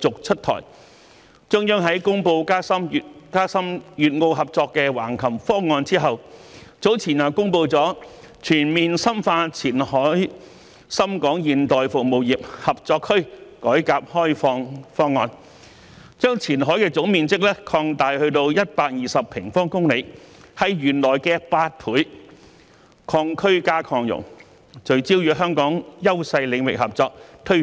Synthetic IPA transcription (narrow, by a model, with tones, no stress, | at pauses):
t͡sʊ˨k̚t͡ʃʰɵ˥t̪̚ʰɔ̰ː˨˩j | t͡sʊ˥ŋjœː˥ŋɦɐ˨˥jkʊ˥ŋpo˧wkaː˥sɐ˥m˨kaː˥sɐ˥mjyː˨˩t̚ŋo˨˧wɦɐ˨p̚t͡sɔː˧kːɛː˧wa̰ː˨˩nkʰɐ˨˩mfɔː˥ŋːɔː˧nt͡siː˥ɦɐ˨wt͡so˨˥wt͡sʰiː˨˩naː˨˩kʊ˥ŋpo˧wt͡sɔː˨˥ | t͡ʃʰyː˨˩nmiː˨nsɐ˥mfaː˧t͡sʰiː˨˩nhɔː˨˥j | sɐ˥mkɔː˨˥ŋjiː˧nt̪ɔː˨jfʊ˨k̚mo˨wji˨p̚hɐ˨p̚t͡sɔː˧kʰːɵ˥ɥkɔː˨˥jkaː˧p̚hɔː˥jfɔː˧ŋfɔː˥ŋːɔː˧n | t͡ʃœː˥ŋt͡sʰiː˨˩nɦɔː˨˥jkɛː˧t͡sʊ˨˥ŋmiː˨nt͡sɪ˥k̚lɛː˥kʰɔː˧ŋt̪aː˨jhɵ˧ɥt̪o˧wjɐ˥t̚paː˧k̚jiː˨˩sɐ˨pʰɪ˨˩ŋfɔː˥ŋkʊ˥ŋle˨˥hɐ˨˧jɥyː˨˩nlɔː˨˩jkɛː˧paː˧t̚pʰuː˨˥j | kʰɔː˧ŋkʰɵ˥ɥkaː˥kʰɔː˧ŋjʊ̰˨˩ŋ | t͡ʃɵ˨˧ɥt͡siː˥wjyː˨˥ɦœː˥ŋkɔː˨˥ŋjɐ˥wsɐ˧jlɪ˨˧ŋwɪ̰˨k̚hɐ˨p̚t͡sɔː˧k̚t̪ʰɵ˥